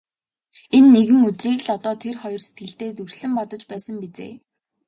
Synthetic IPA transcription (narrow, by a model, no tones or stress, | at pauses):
enːeɣɘ̆ŋɵt̪riːɣɮɔt̪ɔːt̪ʰerχɔjɞ̆rse̥t̪̚ɡɘ̆ɬt̪eːt̪ursɮɘ̆mpɔt̪ɞ̆t͡ɕpæːsə̆mpet͡sḛː